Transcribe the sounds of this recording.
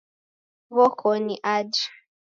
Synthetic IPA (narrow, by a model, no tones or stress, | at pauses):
βɔkʰɔniʔad͡ʒḁ